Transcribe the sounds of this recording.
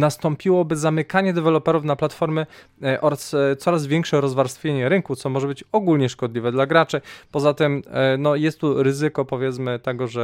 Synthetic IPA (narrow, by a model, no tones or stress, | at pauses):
nast̪ɔmpʲiwɔbɘzamɘkaɲɛd̪ɛvɛlɔpɛɾufnaplat̪fɔɾmɘ | ʔɔɾast̪sɔɾazvʲjɛŋkʂɛɾɔzvaɾst̪fʲjeɲɛɾɘŋkut̪sɔmɔʐɛbɘt͡ɕɔɡulɲɛʂkɔd̪lʲivɛd̪laɡɾat͡ʂɘpɔzat̪ɛmnɔjɛst̪ːuɾɘzɘkɔpɔvʲjɛt̪smɘt̪ɛɡɔʐɛ